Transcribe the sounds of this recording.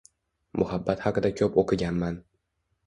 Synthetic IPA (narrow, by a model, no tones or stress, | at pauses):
mʔʊhabːat̪hɑqɨd̪akʲʰɒpoqʰɨɡʲanman